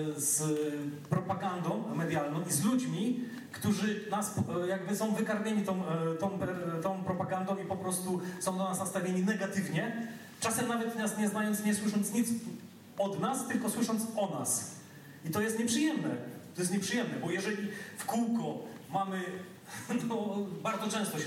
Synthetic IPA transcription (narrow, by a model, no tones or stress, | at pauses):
z | pɾɔpaɡand̪ɔ̃w̃mɛd̪jalnɔ̃w̃izlud͡ʑmʲi | kt̪uʐɘnaspjaɡbɘsɔ̃w̃vɘkaɾmʲeɲit̪ɔ̃w̃t̪ɔ̃w̃pɛt̪ɔ̃w̃pɾɔpaɡand̪ɔ̃w̃ipɔpɾɔst̪usɔ̃w̃d̪anasnast̪avʲeɲinɛɡat̪ɘvɲɛ | t͡ʂasɛmnavɛt̪ɲasɲɛznajɔ̃nt̪sɲɛswɘʂɔnt̪sɲit̪s | ɔd̪nast̪ɘlkɔswɘʂɔnt̪sɔnas | it̪ɔjɛst̪ɲɛpʂɨjɛmnɛ̰t̪ɔjɛst̪ɲɛpʂɨjɛmnɛbɔjɛʐɛlʲifkuwkɔmamɘ | nɔbaɾd̪zɔt͡ʂɛ̃w̃st̪ɔ